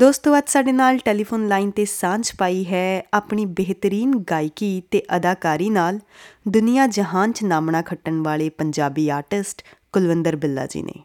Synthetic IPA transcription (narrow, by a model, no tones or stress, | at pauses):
d̪oːst̪õʋaːd̪saːɖeːnaːlʈeːliːpʰoːnlaːint̪eːsãːnt͡ʃpaːiːɦɛːaːpɳiːbeɦt̪əɾiːnɡaːɪkiːt̪eːʔəd̪aːkaːɾiːnaːld̪ʊnɪjãːd͡ʒəɦãːnt͡ʃnaːmɳãːkʰəʈːəɳʋaːɭeːpəɲd͡ʒaːbiːaːɾʈɪsʈkʊlʋɪnd̪əɾbɪlːa̰ːd͡ʒḭːnḛː